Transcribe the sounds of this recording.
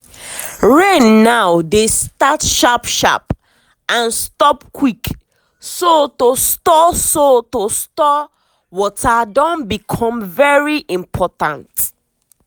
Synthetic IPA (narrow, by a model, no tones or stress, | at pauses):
ɹenːawdestatʃapʃa̰p | ãnstɔpkʰwik | sotostɔsotostɔ | wɔtʰadɔ̃nbikʰɔ̃mvɛɹiʔĩmpʰɔtãnt